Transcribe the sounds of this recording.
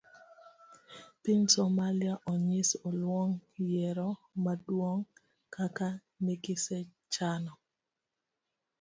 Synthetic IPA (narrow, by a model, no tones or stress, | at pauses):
pɪnsɔmaliaʔɔɲɪsɔlwɔŋjɛɾɔmadwoŋ | kaka | niɡɪsɛ | t͡ʃanɔ